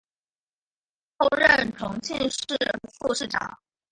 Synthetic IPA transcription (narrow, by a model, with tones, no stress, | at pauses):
xo˥˧ʊɻə˥˩nʈ͡ʂʰʊ˧˥ŋt͡ɕʰḭ˥˧nʂɻ̩˥˩xu˥˧ʂɻ̩˥˩ʈ͡ʂɑ̰˨˩˦ŋ